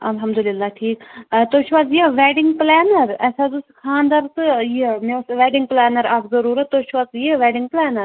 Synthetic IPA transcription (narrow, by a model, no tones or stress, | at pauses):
ɐlɦɐmd̪ulɪlːaːʈʰiːkt̪oʃʋɐzjiʋɛːɖɪŋɡplɛːnɐɾɛːsad̪uskʰaːnd̪aːɾt̪ɨjimesʋɛːɖɪŋɡplɛːnɐɾɐkzɐɾuːɾɐt̪ːoʃʋɐzjiʋɛːɖɪŋɡ̚plɛːnɐɾ